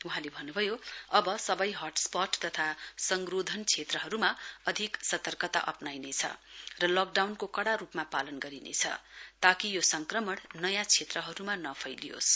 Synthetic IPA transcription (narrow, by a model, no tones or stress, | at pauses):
uɦãlebʱʌnːubʱʌjoʌbʌsʌbʌjɦʌʈspʌʈt̪ʌt̪ʰasʌŋɡrod̪ʱʌnt͡sʰet̪rʌɦʌɾumaʌd̪ʱiksʌt̪ʌrkʌt̪a̰ʔʌpnajnet͡sʰʌ̰rʌlok̚ɖawnkokʌɽaɾupmapalʌnɡʌɾinḛt͡sʰʌ̰t̪akijosʌŋkrʌmʌɽnʌjãt͡sʰet̪rʌɦʌɾumanʌpʰʌjlijo̰s